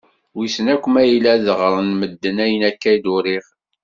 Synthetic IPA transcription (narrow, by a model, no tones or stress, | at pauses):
wisənækʷːəmæjilæðəʁɾˤənməd̪ːənæjənækːæjd̪ʊɾiʁ